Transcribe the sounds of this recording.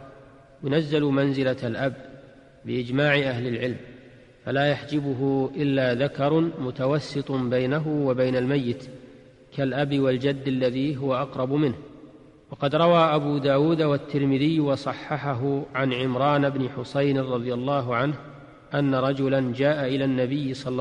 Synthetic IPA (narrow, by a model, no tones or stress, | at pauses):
jʊnazːalmanzɪlalʔabː | ɪʔɪd͡ʒmaːʕɪʔaɦlɪlʕɪlm | falaːjaħd͡ʒɪbʊɦʊʔɪlːaːðakɑɾˤmʊt̪awɑsːɨt̪ˤbajnaɦʊwabajnalmajːɪt̪ | kalʔabɪwald͡ʒad̪ːalːaðiːɦʊwaʔɑqɾˤɑbmɪnh | wɑqɑd̪ɾˤɑwaːʔabuːd̪aːwuːd̪awat̪ːɪɾmɪðɪjːwɑsˤɑħːɑħaɦʊʕanʕɪmɾˤɑːnabnɪħʊsajnɾˤɑðˤɨjalˤːɑːɦʊʕanh | ʔanːaɾˤɑd͡ʒʊland͡ʒaːʔaʔɪlaːnːabɪjːsˤɑː